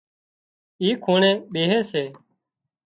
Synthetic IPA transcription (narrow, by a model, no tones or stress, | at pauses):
iːkʰuːɳẽːɓeːɦeːseː